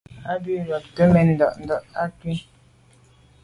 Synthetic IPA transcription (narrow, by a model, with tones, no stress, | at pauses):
a˦bi˦ɾɔ˨p̚tə˦mɛ˨n̩˨dɔ˨ʔn̩˨dɔ˨ʔa˦kwi˦